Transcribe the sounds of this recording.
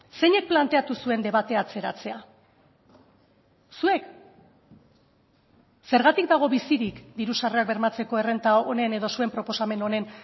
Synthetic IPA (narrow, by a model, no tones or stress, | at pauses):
se̞ɲe̞k̚plant̪e̞at̪usue̞nd̪e̞βat̪e̞at͡se̞ɾat͡se̞a | sue̞k | se̞ɾɣat̪ik̚d̪aɣ̞o̞βisiɾikd̪iɾusareak̚be̞ɾmat͡se̞ko̞e̞re̞nt̪aone̞ne̞ð̞o̞sue̞mpɾo̞po̞same̞no̞ne̞n